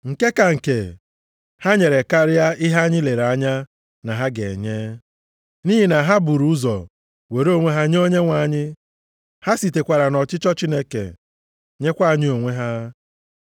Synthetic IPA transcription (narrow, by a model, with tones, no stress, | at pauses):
ŋ̩˨ke˦ka˨ŋ̩˨ke˨ | ha˦ɲe˨ɾe˨ka˦ɾɪ˦a˦ɪ˦ɦa˦ɲɪ˦le˨ɾa˦ɲa˦ | na˨ɦa˦ɡḛ˨ɲe˦ | ni˦ɦi˨na˨ɦa˦bu˨ɾu˦ʊ˦zɔ̰˨ | we˨ɾo˦ŋʷe˦ɦa˦ɲ˦o˦ɲe˦ŋʷa˨ɲɪ˦ | ha˦si˨te˨kʷa˨ɾa˨nɔ˨t͡ʃɪ˦t͡ʃɔ˦t͡ʃi˦ne˦kḛ˨ | ɲe˦kʷa˦˨ɲɪ˦o˨ŋʷe˦ɦa˦